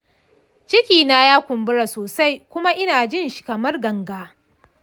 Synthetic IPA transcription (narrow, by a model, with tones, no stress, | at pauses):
t͡ʃɪ˦kʲiː˨na˦jaː˦kʷʊ˨mbʊ˦ɽa˨soː˨sa˦jkʷʊ˦ma˦ʔɪ˦naː˨d͡ʒɪ˦˨nʃɪ̥˨kɐ˨mɐ˦rɡɐ˨ŋɡaː˦